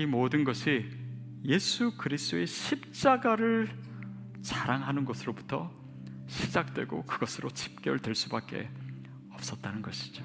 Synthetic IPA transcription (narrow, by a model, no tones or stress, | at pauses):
imodɯnɡʌɕʰi | je̞sʰukɯɾist͈oe̞ɕʰip̚t͡ɕ͈aɡaɾɯɭ | t͡ɕaɾaŋɦanɯnɡʌsʰɯɾobu̥tʰʌ | ɕʰid͡ʑak̚t͈we̞̰ɡo̰kɯɡʌsʰɯɾot͡ɕʰi̥p̚k͈eɯɭdwe̞ɭs͈ubak͈̚e̞̰ | ʌp̚s͈ʌt̚t͈anɯnɡʌɕʰi̥d͡ʑo